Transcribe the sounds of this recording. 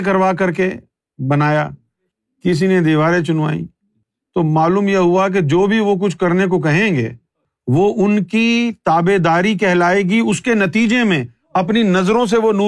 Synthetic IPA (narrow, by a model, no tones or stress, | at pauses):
k̬ɐɾʋaːk̬ɐɾke | bɐnaːja̰ː | kɪs̬ined̪iːʋaːɾẽt͡ʃʊnʋa̰ːḭː | t̪oːmaːluːmjeɦʊak̬ed͡ʒoːbʱiʋok̬ʊt͡ʃʰkɐɾnek̬ok̬ɐɦẽːɡḛː | ʋoʔʊnkit̪aːbed̪aːɾik̬ɛɦlaːeːɡiʊskenɐt̪iːd͡ʒemẽ | ɐpninɐzɾõs̬eʋonuː